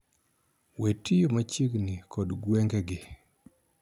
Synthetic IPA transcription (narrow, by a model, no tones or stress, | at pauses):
wetʰijomat͡ʃiɡnikʰɔdɡweŋɡɛɡɪ